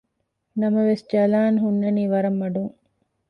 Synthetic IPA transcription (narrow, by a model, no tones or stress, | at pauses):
nɐmɐʋesd͡ʒɐlaːnɦunːɐniːʋɐɾɐmːɐɖuŋ